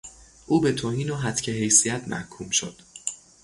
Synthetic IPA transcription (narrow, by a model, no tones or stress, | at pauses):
ʔuːbet̪ʰoːhiːnoɦæt̪cʰeɦejsijæt̪ʰmæ̰hkʰuːmʃo̞̰d̪̥